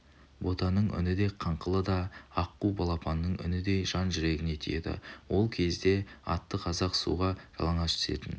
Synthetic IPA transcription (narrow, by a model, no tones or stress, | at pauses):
bo̞t̪ɑnəɴʔʏ̰nɪd̪ejqʰɑɴqʰəlˠəd̪ɑɑqːubɑlˠɑpɑnːəɴʏ̰nɪd̪e̞jʒɑnʒʏɾe̞ɡʲɪne̞t̪ʰijed̪ɪ̰wo̞lˠkʲʰe̞zd̪e̞ɑ̰t̪ːəqʰɑzɑqsṵʁɑʒ̥ɑ̰lˠɑɴɑʃʰʏ̥se̞̰t̪ɪn